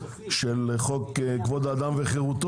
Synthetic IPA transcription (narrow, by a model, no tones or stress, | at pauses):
ʃelχokkvod̪aːd̪amveχeʁut̪